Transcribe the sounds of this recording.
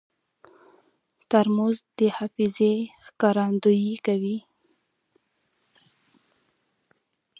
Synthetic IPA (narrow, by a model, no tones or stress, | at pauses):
t̪aɾmuzd̪əhɑfizexkɑɾɑnd̪ujikawi